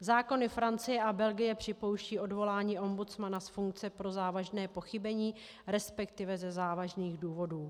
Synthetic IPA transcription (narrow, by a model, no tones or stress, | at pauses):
zaːko̞nɪfɾant͡sɪjɛʔabɛlɡɪjɛpr̝̥ɪpo̞wʃciːʔo̞dvo̞laːɲiːʔo̞mbut͡smanasfuŋk̚t͡sɛpɾo̞zaːvaʒnɛːpo̞xɪbɛɲiː | ɾɛspɛkt̪ɪvɛzɛzaːvaʒniːɣduːvo̞duː